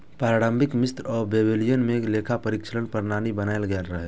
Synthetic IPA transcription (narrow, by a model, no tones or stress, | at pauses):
paɾaːɽə̃mbʱɪkmɪst̪ɾɔːɾbeːbeːlijənmẽleːkʰapəɾɪkʃəɾənpəɾnaːnibənaːelɡəlɾəɦe